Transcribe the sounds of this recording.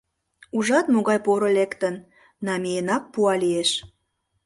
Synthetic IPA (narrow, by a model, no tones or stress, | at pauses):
uʒɑt̪moɣɑjpoɾəlekt̪ən | nɑmejenɑk̚puɑlieʃ